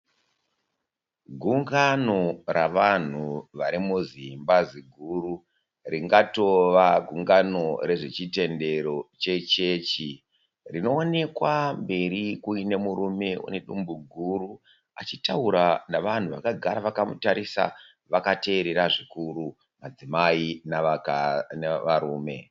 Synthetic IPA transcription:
ɡʱuŋɡano̞ɾaʋan̤uʋaɾimuzimbaziɡʱuɾu | riŋɡato̞ʋaɡʱuŋɡano̞ɾe̞ʐe̞t͡ʃite̞nde̞ɾo̞t͡ʃe̞t͡ʃe̞t͡ʃi | rino̞ːne̞kwambe̞ɾikuine̞muɾume̞ṵne̞ɗumbuɡʱuru | a̰t͡ʃitauɾanaʋan̤uʋakaɡʱaɾaʋakamutaɾisa̰ | ʋakate̞ːɾe̞ɾaʐikuɾu | mad͡zimainaknaʋaɾuːme̞

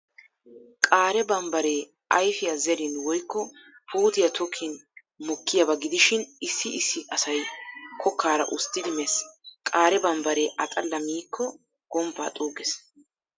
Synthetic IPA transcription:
kʼaːɾɛbɐmbɐɾeː | ɐjfɪjɐzɛɾɪnwɔjkːɔpʰuːt̪ɪjɐt̪ʰɔkʰːɪn | mɔkʰːɪjɐbɐɡɪd̪ɪʃɪnɪsːɪɪsːɪɐsɐjkʰɔkːaːɾɐ̰ʔʊst̪ːɪd̪ɪmeskʼaːɾɛbɐmbɐɾeːʔɐt̪ʼɐlːɐmiːkːɔ | ɡ̥ɔmpːa̰ːt̪ʼuːɡɛs

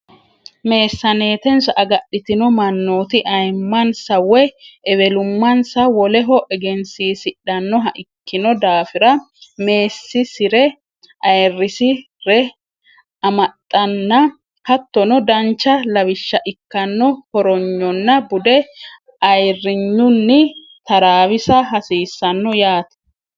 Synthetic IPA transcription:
me̞ːsːɐne̞ːt̪ɛnsʔɐɡɐɗːɪt̪ɪnɔmɐnːoːt̪ɪʔɐjmːɐnsɐwɛʔɛβɛlʊmːɐnsɐwɔlɛɦɔʔɛɡɛnsiːsɪᶑːɐnːɔɦɐʔɪkːɪnɔd̪aːfɪɾɐ | me̞ːsːɪsɪɾɛ | ʔɐjrːɪsɪ | ɾɛ | ɐmɐt̪ʼːɐnːɐ | hɐt̪ːɔnɔd̪ɐnt͡ʃːɐlɐwɪʃːɐʔɪkːɐnːɔhɔɾɔɲːɔnːɐbʊd̪ɛ | ɐjrːɪɲːʊnːɪ | t̪ɐɾaːwɪsɐɦɐsiːsːɐnːɔjaːt̪ɐ̥

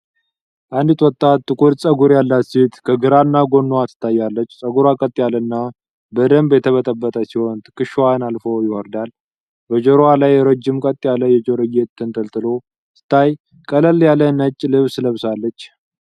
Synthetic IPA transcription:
ʔand̪ɨt̪ʼwɔt̪ʼːat̪ːɨkʼuɾsʼəɡuɾjalːat̪set̪kʰəɡɨɾanːaɡo̞nːoat̪ʰɨ̥t̪ʰːajːalːət͡ʃːsʼəɡuɾakʼət̪ʼːjalənːa | bəd̪əmbjɛt̪ʰəβət̪ʼəbːət̪ʼəsiho̞nt̪ʰɨ̥kːɨʃwanalfojɪwɔɾd̪al | bəd͡ʒoɾowalajːɾəd͡ʒːɪmkʼət̪ʼːjaləjɛd͡ʒoɾɨɡet̪t̪ʰːɨnt̪ʰʼəlt̪ʼɨlo̞ | t̪ʰɨ̥t̪ʰːaj | kʼələljalːənət͡ʃʼːlɨβsləβsalːət͡ʃː

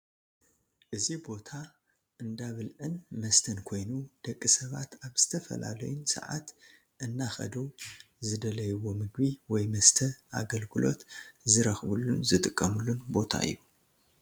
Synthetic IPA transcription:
ʔɨzibo̞t̪ʰa | ʔɨnd̪aβɨlʕɨnmɐst̪ʰɐnkʰo̞jnud̪̥ɐkʼːisɐβa̰t̪aβz̥ɨt̪ʰɐfɐ̰la̰lɐjunsɐ̰ʕa̰t̪ | ʔɨnːaxɐ̰d̪u | zɨd̪ɐlɐjwo̞mɨɡbiwɔjmɐst̪ʰɐʔa̰ɡɐlɡɨlʔo̞̰t̪zɨɾɐxβulːunzɨt̪ʼɨkʼːɐmɨlːunbo̞t̪ʰa̰ɨ̰jːu

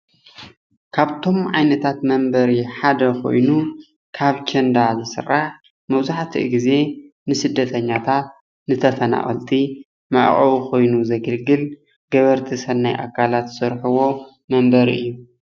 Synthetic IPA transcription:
kʰaβt̪ʰo̞mʕajnɐt̪ʰat̪mɐmbɐɾiħad̪ɐkʰo̞̰jnu | kʰaβt͡ʃʰend̪azɨsɨ̰rːaħ | mɐβzaħt̪ʰḭʔɡize̞ | nɨsɨd̪ːɐt̪ʰɐɲːat̪ʰat̪̚ | nɨt̪ʰɐfɐna̰χʼɐ̰lt̪ʰʼi | ma̰ʔχʼɐwukʰo̞jnuzɐɡɨlɡɨl | ɡ̥ɐβɐɾt̪ʰisɐnːajʔa̰kʰːalat̪sɐɾħuwo̞ | mɐmbɐɾḭʔɨjːu

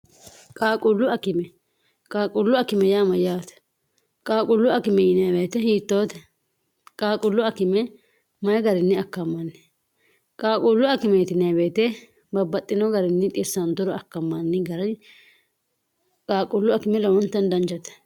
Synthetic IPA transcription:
kʼaːkʼʊlːʊɐkɪmɛ | kʼaːkʼʊlːʊɐkːɪmɛjaːmɐjaːt̪ | kʼaːkʼʊlːʊɐkɪmɛjɪnɪjabeːt̪ɛhiːt̪ːoːt̪ɛ̥ | kʼaːkʼʊlːʊɐkɪmɛ | mɐjɛɡɐɾɪnːɪɐkːɐmːɐnːɪ̥ | kʼaːkʼʊlːʊɐkɪmɛt̪ɪnɪɐbeːt̪ɛ | bɐbːɐt̪ʼːɪnɔɡɐɾɪnːɪt̪ʼɪsːɐnt̪ʊɾɔɐkːɐmːɐnːɪɡɐɾɐ | kʼaːkʼʊlːʊɐkɪmɛlɐwɔnt̪ːɐnd̪ɐnt͡ʃɐt̪ɛ̥

